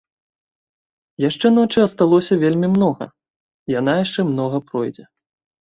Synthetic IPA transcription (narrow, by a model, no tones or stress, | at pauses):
jaʂt͡ʂɛnɔt͡ʂɨɐst̪alˠɔsʲɐvʲelʲmʲimnɔɣɐ̰ | jan̪ajaʂt͡ʂɛmnɔɣɐpɾɔjd͡zʲɛ